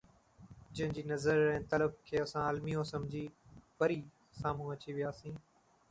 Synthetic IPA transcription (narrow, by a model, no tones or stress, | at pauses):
d͡ʑɐ̃ɦɪ̃ɲd͡ʑiːnɐzəɾɛ̃ːt̪ɐləb̚kʰeːɐsãaːlmijõsɐmd͡ʑʱiːpɐɾiː | saːm̤ũːɐt͡ɕiʋɪjaːsĩː